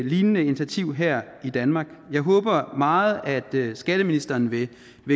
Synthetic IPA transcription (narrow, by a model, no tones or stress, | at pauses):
liːnənəe̝nit͡sʰæt͡sʰiʊ̰ɦæɐ̰id̥ænmɑ̈ːɡ̥jɑ̈ɪɦɔ̽ːb̥ɐmɑ̈ːð̩ˠæd̥sɡ̥æɾ̥əminisd̥ɐːnʋe̝ | ʋe̝